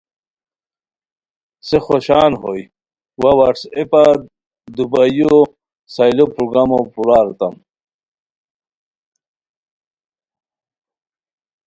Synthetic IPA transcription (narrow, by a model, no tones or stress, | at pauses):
sexoɕaːnɦoj | wawɐʈsepa | d̪ubaju | sajlopɾuɡamopuɾaːɾt̪ɐm